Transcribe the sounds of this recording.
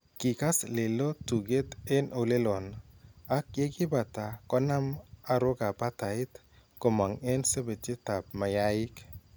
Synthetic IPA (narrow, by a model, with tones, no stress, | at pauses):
kɪ˨ka˦sle˨lo˦tu˨ɡe˦t̪ɛ˦nʔo˨le˦lo˨na˦kje˦ɡɪ˦ba˨ta˨kɔ˦na˦ma˨ɾʊ˦ka˨pa˦ta˨ɪ˦t̪ | ko˨ma˨ŋɛ˦nse˦be˨t͡ʃe˦ta˨p̚ma˨ja˦ɪ˦k